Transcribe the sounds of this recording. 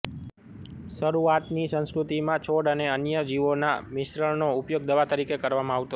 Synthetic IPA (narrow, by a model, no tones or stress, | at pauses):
səɾuat̪nisə̃nskɾut̪imãt͡ʃʰoɽəneənjəd͡ʒiʋonamɪʃɾəɭnoʊpjoɡ̚d̪əʋat̪əɾikekəɾʋamãaʋt̪o